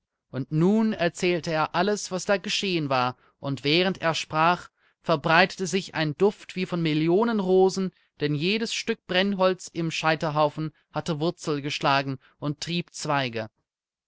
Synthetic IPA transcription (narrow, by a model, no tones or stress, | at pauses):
ʔʊntnuːnɛɐt͡sɛːltəeːɐʔaləsv̥asd̥aːɡəʃeːənvaːɐ | ʔʊntv̥ɛːʁ̞ənteːɐʃpʁ̥aːχ | fɛɐbʁaɪtə̥təzɪça̰ɪndʊftv̥iːfɔnmɪljoːnənʁoːzn̩ | d̥ɛnjeːdəsʃtʏk̚b̥ʁɛnɦɔlt͡sɪmʃaɪtɐɦaʊfn̩ | hatəvʊɐt͡sl̩ɡəʃlaːɡŋ̩ | ʔʊnttːʁ̥iːp̚t͡sv̥aɪɡə